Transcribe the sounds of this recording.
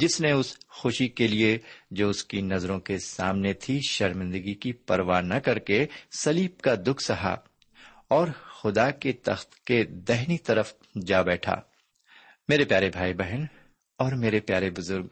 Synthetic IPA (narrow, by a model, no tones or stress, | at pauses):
d͡ʒɪsneʊsxʊʃikelied͡ʒoːʊskinɐzɾõkesaːmnet̪ʰiʃɐɾmɪ̃nd̪əɡikipɐɾʋaːnɐkɐɾkesɐliːb̚kad̪ʊkʰsɐɦa̰ | ɔːɾxʊd̪aket̪ɐ̰xt̪ked̪ɛɦnit̪ɐɾəf | d͡ʒaːbɛːʈʰa̰ː | meːɾepjaːɾebʱaːibɛɦən | ɔːɾmeːɾepjaːɾebʊzʊɾɡ